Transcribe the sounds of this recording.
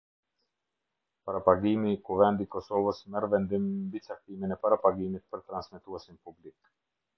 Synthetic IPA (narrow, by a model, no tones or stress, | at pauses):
paɾapaɡimikuvɛnd̪ikɔsɔvəsmɛɾvɛnd̪immbit͡sak̚t̪iminɛpaɾapaɡimit̪̚pəɾt̪ɾansmɛt̪uɛsimpublik